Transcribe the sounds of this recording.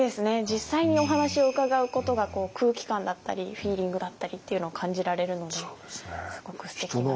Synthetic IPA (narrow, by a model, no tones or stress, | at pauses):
d̪e̞sɨne̞d͡ʑisːaiɲ̟io̞ɦanaɕio̞ɯ̟kaɡaɯ̟ko̞t̪o̞ɡako̞ːkʰɯːkʲi̥kãnd̪at̪ːa̰ɾʲiɸʲiːɾʲĩŋɡɯ̟d̪at̪ːaɾʲit̪ːe̞iɯ̟no̞ːkʰãɲ̟d͡ʑiɾaɾe̞ɾɯ̟no̞d̪e̞sɨɡo̞kɯ̟̥sɨ̥t̪e̞ki